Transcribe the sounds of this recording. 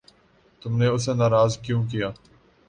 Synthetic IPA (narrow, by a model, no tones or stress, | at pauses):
t̪ʊmneʊsenaːɾaːzkjũːkijaː